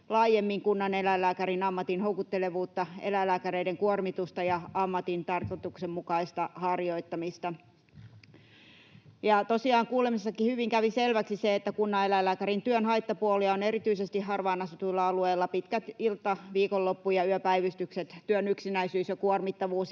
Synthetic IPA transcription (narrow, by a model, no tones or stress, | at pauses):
lɑːjemːiŋkunːɑnelælæːkærinɑmːɑt̪inhoukut̪ːeleʋuːt̪ːɑḛlælæːkæreideŋkuormit̪ust̪ɑjɑɑmːɑt̪int̪ɑrkot̪uksemmukɑist̪ɑhɑrjoit̪ːɑmist̪ɑ | jɑt̪osiɑːŋkuːlemisːɑkihyʋiŋkæʋiselʋæksiseet̪ːækunːɑelælæːkæɾint̪yønhɑit̪ːɑpuoliɑonerit̪yisest̪ihhɑrʋɑːnɑsut̪uilːɑɑlueːlːɑpit̪kæt̪ilt̪ːˑɑʋiːkolːopːujɑyøpæiʋyst̪ykset̪t̪yønyksinæisyːsjɑkuormit̪ːɑʋuːs